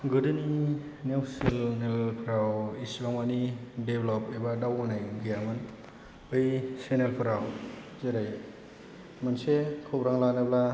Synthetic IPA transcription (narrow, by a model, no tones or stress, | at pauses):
ɡɯdɯni | newsilnelpʰɾawisbaŋmanideblɔpebadawnajɡijaman | ɯjsenelpʰɯɾaw | zeɾaj | mansekʰobɾaŋlanabla